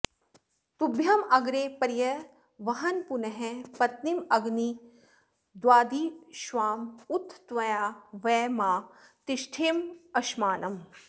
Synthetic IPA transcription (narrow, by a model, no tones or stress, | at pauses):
t̪ubʱjɐmɐɡɾeːpɐɾjɐ | ʋɐɦɐnpunɐɦẽpɐt̪nimɐɡni | d̪waːd̪iʃʋaːmut̪ʰːt̪ʋɐjaːʋɛːmaːt̪ɪʃʈʰeːmɐʃmaːnɐm